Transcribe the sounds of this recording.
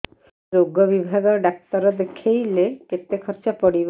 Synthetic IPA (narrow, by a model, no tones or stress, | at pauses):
oɡɔbibʱaɡɔɾɖak̚t̪ɔɾɔd̪ekʰejleket̪ekʰɔɾt͡ʃapɔɽib